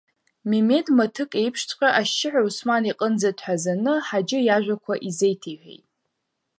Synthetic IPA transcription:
meme̞dmatʰɨkʼe̞jpʰʂtʰqʲʼaʔaʃɪħʷᶣausmaniqʼənd͡zadʰʼħʷazanɨħad͡ʒɪjaʒᶣʷakʷʰaʔizejtʰejħʷᶣḛjtʼ

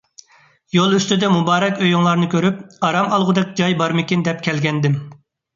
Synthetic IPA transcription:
jolˠyst̪yd̪ɛmubɑːɾɛkʲøjuŋlˠɑɾnɨkʲʰøɾypɑɾɑmɑlˠʁʊd̪ɛk̚ʲd͡ʒɑjbɑɾmɪkʲind̪ɛp̚kʲʰɛlɡʲɛnd̪ɪm

